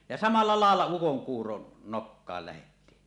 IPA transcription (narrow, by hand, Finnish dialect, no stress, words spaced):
jɑ sɑmɑlːɑ lɑˑelːɑ ukoŋkuːron nokːɑːl læhetːiː